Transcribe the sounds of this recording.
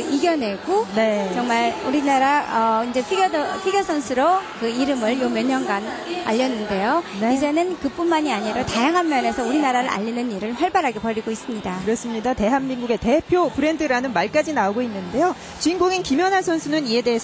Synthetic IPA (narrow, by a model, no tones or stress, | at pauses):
iɡjʌne̞ɡ̥onet͡ɕʌŋmaɭuɾinaɾaʌind͡ʑe̞pʰiɡjodʌpʰiɡjosʰʌnsʰuɾokɯiɾɯmɯɭjomjʌɲːʌnɡan | aʎːʌnːɯnde̞joneid͡ʑe̞nɯnkɯp͈unmaɲiaɲiɾʌtajaŋɦanmjʌne̞sʰʌuɾinaɾaɾɯɾʔa̰ʎːinɯniɾɯɭɸaɭbaɾɦaɡe̞pʌɾiɡois͈ɯmɲidakɯɾʌs͈ɯmɲidate̞ɦamːinɡuɡe̞te̞pʰjopɯɾe̞ndɯɾanɯnmaɭk͈ad͡ʑinaoɡoinːɯnde̞jo | t͡ɕinɡoɡinkimjʌnɦasʰʌnsʰunɯnie̞de̞ːs